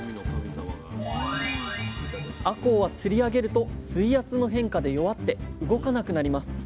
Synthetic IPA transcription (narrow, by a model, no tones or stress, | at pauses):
ako̞ːβat͡sɨɾʲiaɡe̞ɾɯ̟t̪o̞sɨiat͡sɨno̞ɦẽ̞ŋkad̪e̞jo̞βat̪ːe̞ɯ̟ɡo̞kanakɯ̟naɾʲimasɨ̥